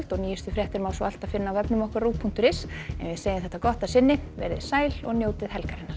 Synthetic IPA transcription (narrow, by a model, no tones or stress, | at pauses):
l̥t̪ɔɣniːjʏst̪ʏfɾjɛht̪ɪɾmaːwsɔal̥t̪aðfɪnːaːwvɛpnʏmɔhkvaɾruːpʰːun̥t̪ʏɾɪsɛ̰nvɪseːjɪmθɛht̪akɔht̪asɪnːɪvɛ̰ɾðɪsaːjlɔɣnjowt̪ɪðɦɛlkaɾɪnːaɾ